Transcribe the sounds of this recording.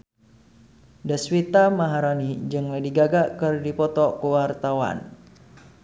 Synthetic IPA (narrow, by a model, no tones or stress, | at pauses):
daswit̪amaɦaɾanid͡ʒɨŋladiɡaɡakɨrdipɔt̪ɔkuwart̪awa̰n